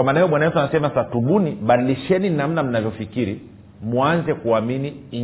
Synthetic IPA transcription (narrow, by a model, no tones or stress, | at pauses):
amaːnahɛjɔɓwanawɛtuanasɛmasatuɓuniɓaɗiliʃɛninam̩nam̩navjɔfikiɾi | muanzɛkuamini